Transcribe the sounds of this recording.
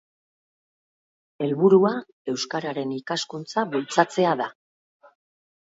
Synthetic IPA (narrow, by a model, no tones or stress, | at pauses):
e̞lβuɾua | e̞wskaɾaɾe̞nikaskunt͡saβult͡sat͡se̞aða